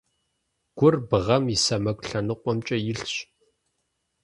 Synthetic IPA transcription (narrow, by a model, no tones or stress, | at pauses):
ɡ̥ʷʊrbɨʁɐmisɐmɐkʷʼɬɐnɨqʷʼɔmt͡ʃʼɐjɪɬɕ